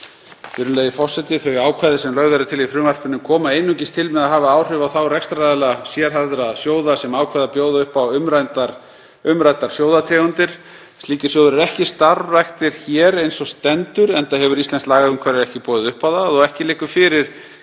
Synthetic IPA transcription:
vɪɾʏmeːjðɪfɔr̥sɛt̪ɪθœjaːwkʰaːðɪsɛmlœɣðaɾʏt̪ʰɪlifɾʏːmar̥kʏnːʏmkʰɔːmaejnːʏcɪst̪ʰɪlmɛðaɦaːvaaːwr̥ʏvawθawrɛkst̪ɾaðɛlasjɛɾ̥ɦaðɾasjoːwðasɛmaːwkʰvaðapjoːwðaʏhpawʏmɾant̪ɾ | ʏmɾajt̪aɾ̥sjowðat̪ʰɾɛːɣʏnt̪ɪɾ̥ | st̪liːcɪ̥sjowðʏɾɪɾɛhcɪst̪aɾvaxt̪ɪɾ̥çɛːɾejnsɔst̪ɛnt̪ʏɾɛnt̪ahɦɛvʏɾist̪ɛnslaːɣaʏmkʰvaːɾɪɾɛhcɪpɔːðɪðʏhpawðaðɔɣɛhcɪlɪːkʏ̥fɪɾɪɾ̥

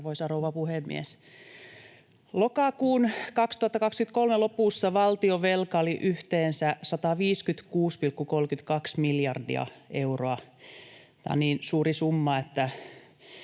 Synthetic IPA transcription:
ʋoisɑrouʋɑpuhemːḭes | lokɑkuːnkɑkst̪uhɑt̪ːɑkɑkskynt̪kolmelopuˑsːɑʋɑlt̪ioʋelkɑoliʔyht̪eːnsæsɑt̪ɑʋiːskyt̪kuːspilkːukolkyt̪kɑksmiljɑrdḭɑ̰euroɑ | t̪æ̰ːo̰niːnsuːrisumːɑet̪ːæ

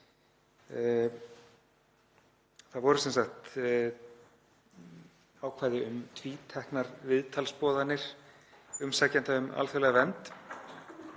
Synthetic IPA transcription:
θaðvɔɾʏsɛnsaxt̪ | aːwkʰvaːjðɪʏmt̪ʰviːt̪ʰɛhknaɾvɪðt̪ʰalspɔːðanːɪɾ̥ | ʏmsaːcant̪aʏma̰lθɛɾlɛɣavɛnt̪

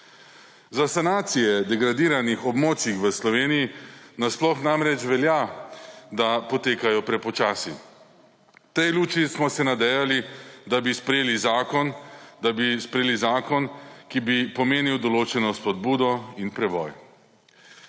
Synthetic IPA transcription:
zasanaːt̪sijɛd̪ɛɡɾad̪iːɾanixɔbmoːt͡ʃixʋəslɔʋeːnijinasplɔxnamɾɛt͡ʃʋɛlja | d̪apɔt̪eːkajɔpɾɛpɔt͡ʃaːsi | t̪ɛjluːt͡ʃismɔsɛnad̪ɛjalid̪abispɾɛjeːlizaːkɔnd̪abispɾɛjeːlizaːkɔnkibipɔmeːniwd̪ɔloːt͡ʃɛnɔspɔd̪̚buːd̪ɔinpɾɛbɔ̰j

